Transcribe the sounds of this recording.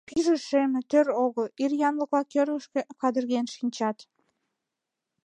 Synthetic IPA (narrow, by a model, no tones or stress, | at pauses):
piʒə̆ʃemɘ̆t̪øɾoɣə̆lirjɑnlə̆klɑkøɾɣə̆ʃkĕkɑd̪ərɣenʃinʲt͡ɕɑt̪